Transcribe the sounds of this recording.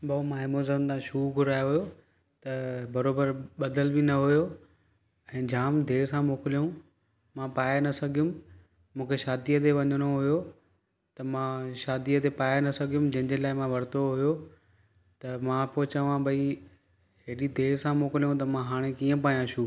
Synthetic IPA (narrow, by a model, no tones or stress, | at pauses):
bɐumãːɦɪmoːzənt̪ãʃuːɡʱʊɾaːjoɦʊjo | t̪ɐbɐɾoːbəɾɓɐd̪əlbinɐɦʊjo | ɛ̃ːd͡ʑaːmd̪ʱeːɾsãmoːkɪlijũ | mãpaːjanɐsɐɡʱijũm | mũːkʰeʃaːd̪ijət̪̬eʋɐɲəɽ̃oɦujo | t̪ɐmãʃaːd̪ijət̪̬epaːjanɐsɐɡʱijũmd͡ʑɐ̃ɦɪ̃ɲd͡ʑelaːɪmãʋɐɾt̪oɦujo | t̪ɐmãpoɦɪt͡ɕəʋãbʱɐi | ɦeːɗid̪ʱeːɾsãmoːkɪlijũt̪̬ɐmãɦaːɽ̃ekiːə̃p̬aːjãʃuː